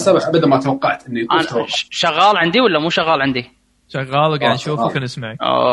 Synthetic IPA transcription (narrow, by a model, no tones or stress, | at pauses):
sabaħʔabad̪anmat̪awɑqːɑʕt̪ʔɪnːikːnt̪ʃaɣːɑːlʕɪnd̪iwalːamuːʃaɣːɑːlʕɪnd̪i | ʃaɣːɑːlɡaʕd̪nʃuːfukanɪsmaʕaʔo̰